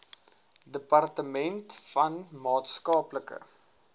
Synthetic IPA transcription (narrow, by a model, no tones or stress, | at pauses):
dəpɐrtəmɛntfɐnmɑːtskɑːpləkə̰